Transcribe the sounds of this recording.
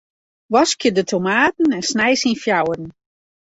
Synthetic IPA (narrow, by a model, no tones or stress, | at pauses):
ʋɔskjədətʰomaːtn̩ɛnsnɛjsinfjawərn̩